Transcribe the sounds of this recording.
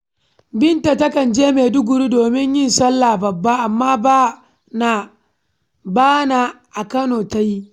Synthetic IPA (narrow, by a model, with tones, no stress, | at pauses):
bɪ˦nta˨tɐ˦kɐ˨nd͡ʒeː˦meː˨dʊ˦ɡʊ˨ɽi˦doː˨mɪ˦ɲjɪ˦nsɐ˦lːaː˨bɐ˨bːa˦ʔa˨mːaː˦ba˦ | na˨ | baː˦na˨ʔa˨kɐ˦noː˨ta˦ji˦